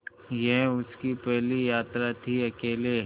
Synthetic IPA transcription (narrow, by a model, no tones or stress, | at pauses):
jɛɦʊskipɛɦlijaːt̪ɾat̪ʰiɐkeːle